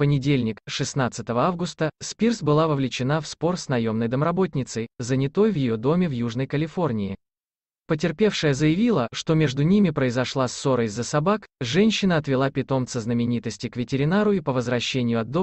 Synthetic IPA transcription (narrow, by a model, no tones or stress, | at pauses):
pənʲɪdʲelʲnʲɪkʂɨsnat̪sɨt̪əvəavɡʊst̪əspʲirsbɨlˠavəvlʲɪt͡ɕɪn̪afspo̞rsnɐjo̞mnəjd̪əmɾɐbo̞t̪ʲnʲɪt̪səjzənʲɪt̪o̞jvjɪjo̞d̪o̞mʲɪvjuʐnəjkəlʲɪfo̞rnʲɪɪ | pətʲɪrpʲe̞fʂɨjəzəjɪvʲilˠəʂt̪o̞mʲe̞ʐd̪ʊnʲimʲɪpɾəɪzɐʂlˠaso̞ɾəjzːəsɐbakʐɛnʲɕːɪnəɐt̪vʲɪlˠapʲɪt̪o̞mt̪səznəmʲɪnʲit̪əsʲtʲɪkvʲɪtʲɪɾʲɪnaɾʊipəvəzvɾɐɕːenʲɪjʊɐd̪ːo